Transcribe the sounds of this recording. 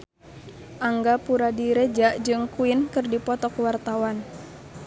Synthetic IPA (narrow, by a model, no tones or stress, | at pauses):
ʔaŋɡapuɾadiɾed͡ʒaʔd͡ʒɨŋkuɪnkɨrdipɔt̪ɔkwart̪awan